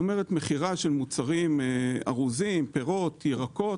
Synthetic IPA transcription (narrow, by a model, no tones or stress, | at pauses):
omeʁet̪meχiʁaʃelmut͡saʁimea̰ʁuzimpe̞ʁo̞t̪jeʁako̞